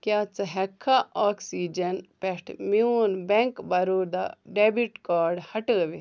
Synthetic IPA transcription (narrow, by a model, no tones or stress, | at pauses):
kjaːt͡sɐɦekʰːaʔaːksid͡ʒɐnpeʂʈmiunbeŋkbɐɾoːd̪aɖeːbiʈkaːɾɖhɐʈəːʋi